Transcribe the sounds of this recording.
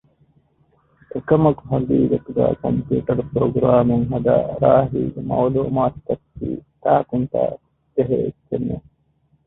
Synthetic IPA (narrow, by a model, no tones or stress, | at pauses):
ekɐmɐkɦɐɡ̪iːɡɐt̪uɡa̰ːkɐmpjuːʈɐɾpɾoːɡɾaːmuŋɦɐd̪a̰ːɾaːɦiːɡemɐwluːmaːt̪ːɐkːḭːt̪aːk̪unt̪a̰ː | d͡ʒeɦeekːenːe